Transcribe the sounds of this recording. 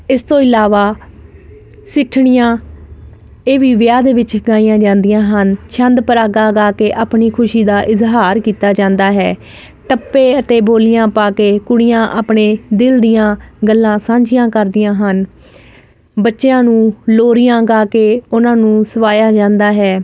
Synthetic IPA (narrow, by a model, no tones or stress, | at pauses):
ɪst̪õːɪlaːʋaː | sɪʈʰːɳɪjãː | eːʋiːʋɪjaːd̪eːʋɪt͡ʃɡaːijãːd͡ʒãːnd̪ɪjãːɦənt͡ʃʰənd̪pəɾaːɡaːɡaːkeːʔaːpɳiːkʰʊʃiːd̪aːʔɪzɦaːɾkiːt̪aːd͡ʒãːnd̪aːɦɛː | ʈəpːeːət̪eːboːlɪjãːpaːkeːkʊɽɪjãːʔaːpɳeːd̪ɪld̪ɪjãːɡəlːãːsãːɲd͡ʒɪjãːkəɾd̪ɪjãːɦən | bətːʃjãːnũːloːɾɪjãːɡaːkeːʊnãːnũːsəʋaːjaːd͡ʒãːnd̪aːɦɛː